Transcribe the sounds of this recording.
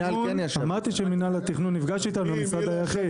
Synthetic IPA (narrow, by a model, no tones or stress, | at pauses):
alenjaamaʁt̪iʃeminalat̪iχnunːifɡaʃtiːt̪anulamisad̪ajaχi